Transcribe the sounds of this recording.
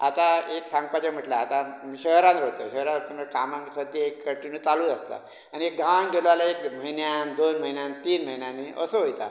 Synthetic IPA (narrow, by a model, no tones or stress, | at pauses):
a̰t̪aeksãŋɡpat͡ɕem̤əʈlaːt̪amiɕəɦɾanɾɦot̪əɕəɦɾãnɾot̪əməkamãŋksət̪ːiekːəʈːinuːt͡saluːəst̪a̰ | aniek̚ɡaŋɡʱelʋalaekməɦinjand̪onməɦinjãnt̪iːnməɦinjaniʔə̰səɦojt̪a̰